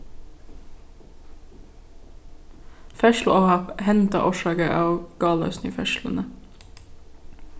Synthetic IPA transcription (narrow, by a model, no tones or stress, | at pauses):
fœʃl̩ʔoːhɑphɛnt̪ɑ̰ʔoːʃɑːɡəʔɑːʋɡ̥ɑːlɑ̰ːsnɪfœʃlə̰nə